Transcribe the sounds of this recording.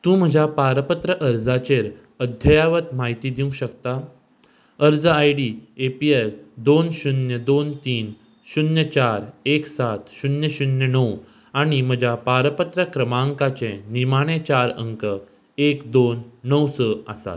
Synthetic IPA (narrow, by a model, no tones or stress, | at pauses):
t̪ũm̤əd͡ʑʱapaɾəpət̪ɾəʔəɾd͡zat͡ɕeɾ | əd̪ʱjəjaʋət̪maɦit̪iːd̪iw̃ɕəkt̪a | əɾd͡zəajɽiːepield̪onɕunjəd̪ont̪iːn | ɕunjət͡ɕaɾeksat̪ɕunjəɕunjənəw | aɽ̃im̤əd͡ʑʱapaɾpət̪ɾəkɾəmaŋkat͡ɕẽnimaɽ̃et͡ɕaɾə̰ŋkə | ekd̪onːəwsəasa̰t̪